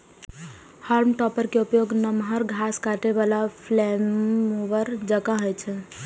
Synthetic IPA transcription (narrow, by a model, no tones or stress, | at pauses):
haɾmʈɔpəɾkeupjoɡnəmɦəɾɡʱaskaʈeβalapʰlɛmoʋəɾd͡ʒəkãɦət͡ʃʰɛ